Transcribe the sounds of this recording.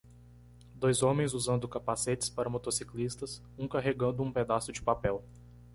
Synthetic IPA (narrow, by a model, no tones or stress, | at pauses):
d̪ojzõmẽj̃zuzɐ̃nd̪ʊkapaset͡ʃɪ̥spaɾɐmot̪osiklist̪ɐs | ũkaɦeɡɐ̃nd̪ʊũped̪asʊd͡ʒɪpapɛw